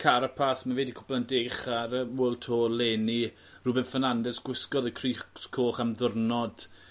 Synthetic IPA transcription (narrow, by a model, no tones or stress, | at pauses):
kʰaɾəpʰaθmavɛːdikʰʊ̥blˠandejχaɾəwoːlˠtʰoːlˠeːni | rʊbɛnfənandɛsɡ̥wɪskɔðəkʰriskʰoːχamðʊrnɔd̥